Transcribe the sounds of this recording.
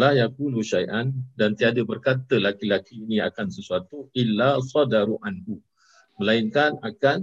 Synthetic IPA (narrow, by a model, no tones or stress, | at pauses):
lahjakuluʃajʔandant̪iadəbərkat̪əlakilakiːnĩa̰kansəsuat̪uʔilːasɔdaɾuʔanhu | mə̃lainkanakan